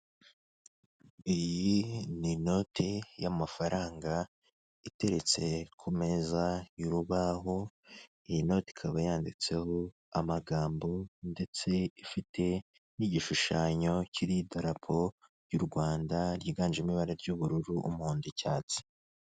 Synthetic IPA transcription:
ijinino̞tʰejamafaɾaːŋɡa | ite̞ɾe̞t͡se̞kʰume̞zauɾuβaɦo̞ | ijino̞ti̥kʰaβajaːndit͡se̞ho̞ | amaɡaːmbo̞nde̞t͡se̞ifitʰe̞ | niɟiʃuʃaːɲo̞cʰiɾidaɾapʰo̞ | ɾjuɾɡwaːndaɾjiːɡaːnd͡ʒimiβaɾaɾɟuβuɾuɾuʔumuːndicaːt͡si̥

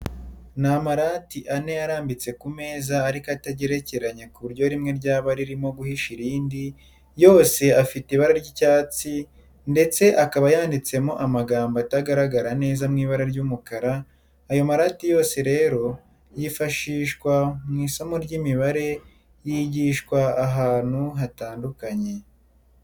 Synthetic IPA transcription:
namaɾaːtiʔane̞jaɾaːmbit͡se̞kume̞ːzaːɾikoataɟe̞ɾe̞ce̞ɾaɲekuβuɾɟo̞ɾimŋe̞ɾɟaːβaɾiɾimo̞ɡuhiʃiɾiːndi | jo̞ːse̞afitiβaɾaɾɟicaːt͡si | nde̞t͡se̞ʔakaβajaːndit͡se̞mo̞ʔamaɡaːmbataɡaɾaɡaɾane̞ːzamŋiːβaɾaɾɟuːmukaɾaː | jo̞maɾatijo̞ːse̞ɾe̞ːɾo̞ | jifaʃiːʃkwamŋiːsamoɾɟimiβaɾe̞ | jiːɟiːʃkwaːɦaːn̥huɦataːndukaɲe̞

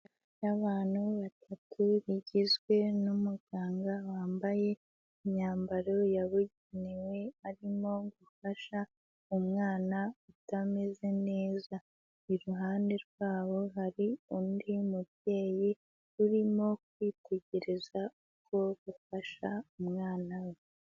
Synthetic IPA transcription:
aβaːn̥huβatʰatʰuβiɟizɡwe̞numuɡ̥aːŋɡawaːmbaje̞ | iɲɲaːmbaɾo̞jaβuɟenewe̞aɾimo̞ɡufaʃa | umŋaːnautameze̞ne̞ːza | iɾuɦaːnde̞ɾɡwaːβo̞ɦaɾiuːndimub̚je̞ːji | ɾuɾimo̞k̚wiːte̞ɟe̞ɾe̞zauko̞ɡufaʃaumŋaːnawe

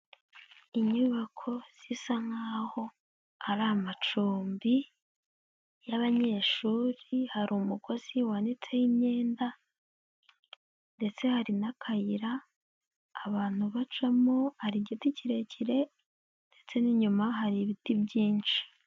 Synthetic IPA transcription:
iɲuβakʰo̞z̥isaŋ̥aːho̞ | aɾamat͡ʃuːmbi | jaβaɲe̞ʃuːɾihaɾumuɡo̞z̥iwaːnit͡se̞jimɲe̞ːnda | nde̞t͡se̞haɾinakʰajiɾaː | βaːn̥huβat͡ʃamohaɾiɟiticiɾe̞ciɾe̞ | nde̞t͡se̞niɲumaɦaɾiβitibɟiːnt͡ʃi̥

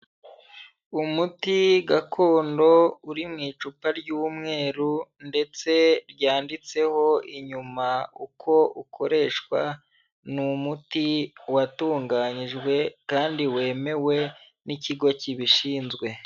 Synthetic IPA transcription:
umutiɡakʰo̞ːndo̞uɾimŋiːt͡ʃupaɾɟuːmŋe̞ːɾunde̞t͡se̞ɾjaːndit͡se̞ho̞iɲumaukʰo̞ukʰo̞ɾe̞ʃkwa | numutiwatuːŋɡaɲiʒɡwe̞kaːndiwe̞ːme̞we̞ | niciɡo̞ciβiʃiːnzɡwe̞

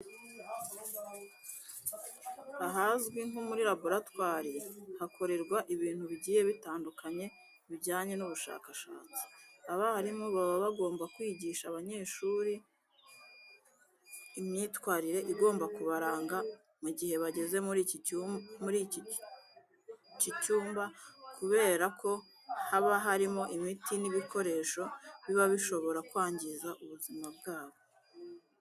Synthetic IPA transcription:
aɦazɡwiŋumuɾiɾabuɾatwaːɾiɾehakʰo̞ɾe̞ɾɡwaʔiβiːn̥huβiɟiːje̞βitaːndukaɲe̞ | βiɟaːɲe̞nuβuʃa̰ːkaʃa̰ːt͡si̥aβahaɾimuβaβaβaɡo̞ːmbakwiːɟiːʃaβaɲe̞ːʃuːɾi | mɲiːtwaːɾiɾe̞ʔiɡo̞ːmbakuβaɾaːŋɡa | muɟihe̞βaɟe̞ze̞ɾ | muɾi | cicuːmbakuβe̞ːɾakʰo̞ | haβaɦaɾimo̞ʔimitʰiniβikʰo̞ɾe̞ʃo̞βiβaβiʃo̞βo̞ɾakwaːɲɟizaʔuβuzimab̚ɡaːβo̞

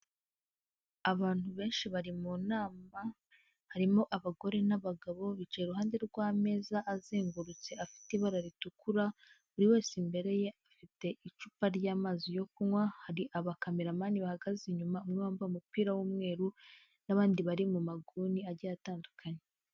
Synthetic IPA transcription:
aβaːn̥huβe̞ːnʃiβaɾimunaːma | haɾimo̞ʔaβaɡo̞ɾe̞naβaɡaβo̞βit͡ʃeːeɾuɦaːnde̞ɾɡwaːme̞ːzaʔːziːŋɡuɾut͡se̞afi̥tiβaɾaɾitukuɾa | βuɾiwe̞ːsimbe̞ɾe̞je̞afite̞ʔit͡ʃupaɾɟaːmaːzijo̞kumŋwahaɾiʔaβakameɾamaːniβahaɡaziɲumaumŋaːmbaumupiːɾawuːmŋe̞ːɾu | naβaːndiβaɾimumaɡuːniaɾɟajataːndukʰaɲe

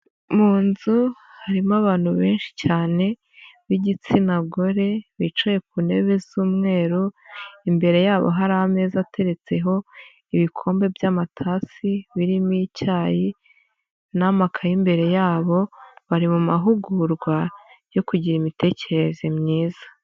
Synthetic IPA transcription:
muːnzu | haɾimaβaːn̥huβe̞ːnʃi̥caːne̞ | βiɟit͡sinaɡoɾe̞βit͡ʃaje̞k̚une̞βe̞zuːmŋe̞ːɾoimbe̞ɾe̞jaːβo̞̰ɦaɾahame̞ːzatʰe̞ɾe̞t͡se̞ɦo̞ | iβikʰo̞ːmbe̞vjaːmatʰaːsiβiɾimicaːji | namakʰajimbe̞ɾe̞jaːβo̞βaɾimumaɦuɡuɾɡwajo̞kuɟiɾimite̞ce̞ɾe̞zemɲiːzḁ

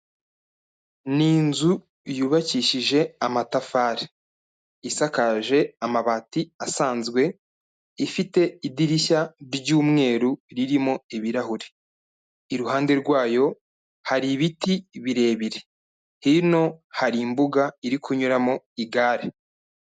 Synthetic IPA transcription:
niːnzu | juːβaciʃiʒe̞amatafaːɾe | isakaʒe̞amaβaːtiasaːnzɡwe̞ | ifite̞idiɾiçaɾɟuːmŋe̞ːɾuɾiɾimo̞iβiɾahuɾe | iɾuhaːnde̞ɾɡwaːjo̞ | haɾiβitiβiɾe̞ːβiɾe | hino̞haɾimbuɡaiɾikʰuɲuɾamo | iɡaːɾe

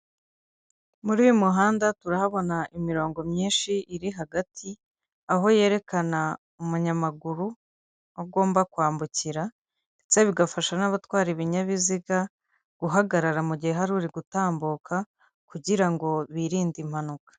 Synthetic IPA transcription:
muɾijomuɦaːndatuɾahaβo̞naʔimiɾo̞ːŋɡo̞mɲiːnʃiʔiɾiɦaɡatʰi | aɦo̞je̞ːɾe̞kana | umuɲamaɡuɾu | aɡo̞ːmbakwaːmbuciɾa | t͡seβiɡafaʃanaβatwaːɾiβiɲaβiziɡa | ɡ̥uɦaɡaɾaɾamuɟiheɦaɾuːɾiɡutaːmbukʰa | kuɟiɾaŋɡo̞βiɾiːndim̥hanukḁ

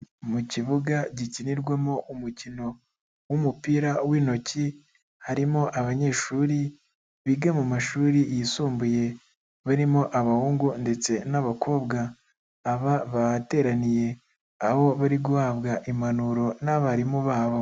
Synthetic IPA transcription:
muciβuɡaɟiciniɾɡwemo̞ʔumucino̞ | wumupiːɾawiːno̞ci | haɾimo̞ʔaβaɲe̞ːʃuːɾi | βiɡamumaʃuːɾijisuːmbuje̞ | βaɾimo̞ʔaβahuːŋɡunde̞t͡se̞naβakʰo̞ːbɡaː | βaβate̞ːɾanije̞ | aho̞βaɾiɡuhaːβɡaʔimanuɾo̞naβaaɾimoβaːβo

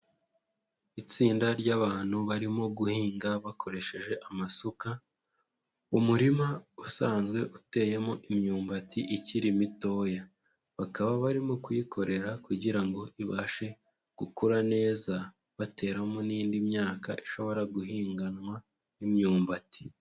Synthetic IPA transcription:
it͡siːndaɾɟaβaːn̥huβaɾimo̞ɡuhiːŋɡaβakʰo̞ɾe̞ʃe̞ʒe̞ʔamasoka | umuɾimausaːnzɡwe̞ʔute̞ːje̞moʔimɲuːmbatiʔiciɾimito̞ːja | βakaβaβaɾimo̞kujikʰo̞ɾe̞ɾakuɟiɾaŋɡo̞ʔiβaːʃe̞ | ɡ̥ukuɾane̞ːza | βate̞ːɾamoniːndimɲaːka̰ʔiʃo̞βo̞ɾaɡuɦiːŋɡanwa | nimɲuːmbati̥

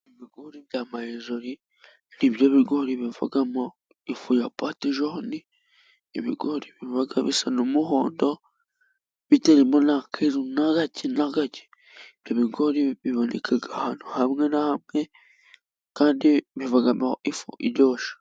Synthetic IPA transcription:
niβiɡoɾiβjamajezoɾi | niβjoβiɡoɾiβivṵɡamo | ifujapatiʒohni | iβḭɡoɾiβivaɡaβḭsanumuhoːndo | βiteɾemonakʰezunaɡacinaɡaci̥ | ibjoβiɡoɾiβiβonḛkʰaɡahanuhamŋenahamŋe | kaːndiβivaɡamaifṵʔiɾɟoːʃḁ

